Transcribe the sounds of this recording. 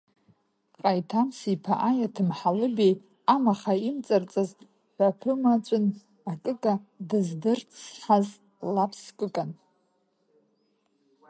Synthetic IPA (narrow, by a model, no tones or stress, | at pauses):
qʼajtʰamsipʰaʔajatʰɨmħalɨbej | amaχaimt͡sʼart͡sʼaz | ħʷᶣapʰɨmat͡ɕʷʼʊn | akʼɨkʼadɨzdɨrt͡sʰħaz | lapʰskʼɨkʼan